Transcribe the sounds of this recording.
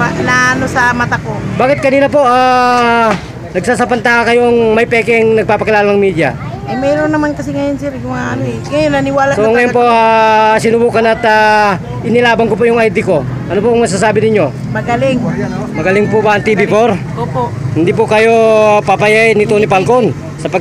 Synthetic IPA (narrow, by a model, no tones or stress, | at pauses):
anaɐnosɐmɐt̪akobaːkɪt̪̚kɐniːlɐpoʔa | nɐɡsaːs̬apɐnt̪aːakɐjoŋmɐjpɛːkɛŋnɐɡ̚paːpɐkɪlaːlɐnɐŋmiːd̪ɪjɐ̰ | ʔɐmɛɾonːɐmankɐsiŋɐjonsɛɾkʊŋaʔɐnoɛŋɐjonːɐnɪwaːlasoŋɐjonpoʔasɪnʊbuːkɐnɐt̪a | ʔɪnɪlaːbɐnkopoʔjʊŋajd̪ɪko̞ʔɐnopoŋmɐɡs̬as̬aːbɪnɪɲjo̞ | mɐɡɐlɪŋɐnomɐɡɐlɪŋpobaːŋt̪iːbɪpoɾʔoːpoʔhɪnd̪ip̬okɐjopapajajnɪt̪onɪpalkon | sɐpɐɡ